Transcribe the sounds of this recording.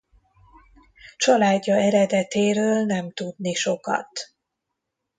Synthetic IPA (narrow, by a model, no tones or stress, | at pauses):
t͡ʃɒlaːɟːɒɛɾɛd̪ɛt̪eːɾøːlnɛmt̪ud̪niʃo̞kɒ̰t̪